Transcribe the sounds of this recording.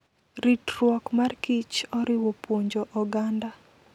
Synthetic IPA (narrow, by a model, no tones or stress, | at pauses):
ɾitrwɔkmarkit͡ʃɔɾɪwɔpwoɲd͡ʒɔʔɔɡanda